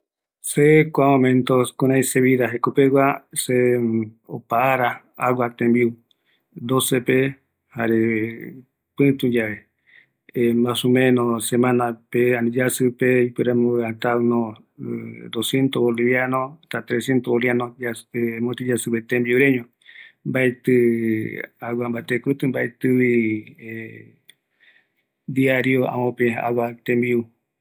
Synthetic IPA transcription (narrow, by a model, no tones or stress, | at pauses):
sekʷamõmẽnt̪okũɾãĩseβiðaɦekopewase | o̰paːɾa | awat̪embiu | d̪osepe | haɾe | pɨ̃t̪ũd͡ʒaβe | mãsumẽnõsemãnãpeanĩd͡ʒasɨpeipɨɾemoβeat̪anõ | d̪osjent̪oβoliβjanõt̪at̪ɾesjent̪ooljanõd͡ʒaemõt̪id͡ʒasɨβet̪embiuɾeɲõ | mbaet̪ɨ | awambat̪ekɾut̪ɨmbaet̪ɨβie | d̪iaɾioã̰mõpẽaa̰wat̪embiu